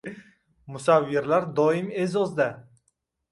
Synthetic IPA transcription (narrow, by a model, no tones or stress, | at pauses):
mʊsavːeɾlaɾd̪ɒɪme̞zɒzd̪a